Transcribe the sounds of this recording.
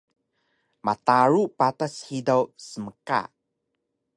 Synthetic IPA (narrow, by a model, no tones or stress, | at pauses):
ma̰taɾupatashidawsəməka̰